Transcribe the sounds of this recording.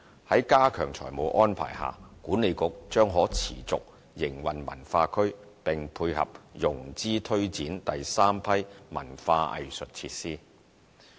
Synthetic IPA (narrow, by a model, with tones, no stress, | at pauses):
hɐ˨˥jkaː˥kʰœ̰ː˨˩ŋt͡sʰɔ̰ː˨˩jmo˨˧wʔɔː˥npʰa̰ː˨˩jha̰ː˨˩kuː˨˥ne˨˧jkʊ˨˥k̚t͡ʃœː˥ŋɦɔː˨˥t͡sʰiː˨˩t͡sʊ̰˨k̚ | jɪ˨˩ŋwɐ˨nmɐ̰˨˩nfaː˧kʰɵ˥ɥ | pɪ˨ŋpʰuː˧jhɐ̰˨p̚jʊ˨˩ŋt͡siː˥t̪ʰɵ˥ɥt͡siː˨˥nt̪ɐ˨jsaː˥mpʰɐ˥jmɐ˨˩nfaː˧ʔɐ̰˨jsɵ˨t̚t͡sʰiː˧t̚siː˥